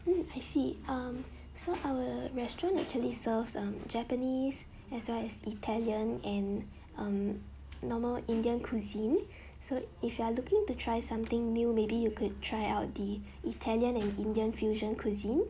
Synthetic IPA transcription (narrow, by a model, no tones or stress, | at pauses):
m̩ajsiʔʌm | soʔawəɹɛstɹɔ̃ntɛ̰k̚t͡ʃuəlisəvsʌ̃md͡ʒɛpənis | ɛswɛlɛsitʰɛliə̃nɛ̃n | ʔʌ̃m | nɔməlĩndiə̃nkʰuzĩn | soifjualukɪ̃ŋtutʰɹajsãmt̪ɪ̃ŋmimebijukʰud̚tʰɹajaʊt̚di | ʔitʰɛljə̃nɛ̃nĩndiə̃nfjuʒə̃nkʰuzĩn